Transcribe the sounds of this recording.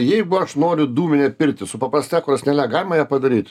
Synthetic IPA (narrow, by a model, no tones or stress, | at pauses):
jɛɪɡʊɐʃnoːɾʲʊd̪uːmʲɪnʲɛpʲɪɾʲt̪ʲɪsʊpɐpɾɐsʲt̪ʲɛkʊɾɐsʲnʲɛlʲæɡɑːlʲɪmɐjæːpɐd̪ɐɾʲiːt̪ʲ